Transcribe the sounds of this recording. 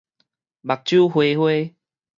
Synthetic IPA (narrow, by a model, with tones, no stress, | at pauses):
ba˨˩k̚t͡ɕju˦hwe˧hwe˦